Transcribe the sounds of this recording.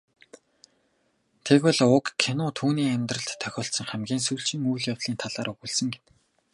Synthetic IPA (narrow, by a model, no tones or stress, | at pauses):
t̪ʰekpɔɮʊkkʰːenʊːt̪ʰuːniːæmʲt̪rə̆ɬt̪ʰːœxʲɔːɬsɞ̆ŋχæmɡʲiːnsujɬt͡ɕĭːŋujɮjaw̪ɮiːnt̪ʰaɮaːɾɵɣuɮsə̆ŋɡen